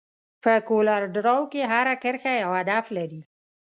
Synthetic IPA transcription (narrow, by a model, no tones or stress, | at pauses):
pəkolaɾɖɾawkeɦaɾakəɾxajawad̪aflaɾi